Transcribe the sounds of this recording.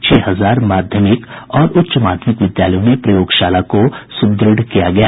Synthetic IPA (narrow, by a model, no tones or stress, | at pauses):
t͡ʃʰɛːɦɐzaːɾmaːd̪ʱjəmɪkɔːɾʊt̪ːʃəmaːd̪ʱjəmɪkʋɪd̪jaːləjõnepɾɐjoːɡʃaːlakosʊb̚d̪ɾɪɖkijaɡɐjaː